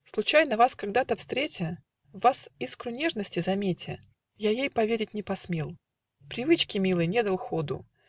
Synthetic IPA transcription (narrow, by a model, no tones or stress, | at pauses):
slˠʊt͡ɕajnəvaskɐɡd̪at̪əfst̪ɾʲetʲə | vasiskɾʊnʲe̞ʐnəsʲtʲɪzɐmʲetʲɪ | jajejpɐvʲeɾʲɪtʲnʲɪpɐsmʲe̞lˠ | pɾʲɪvɨt͡ɕkʲɪmʲilˠəjnʲed̪ɐlˠxod̪ʊ̰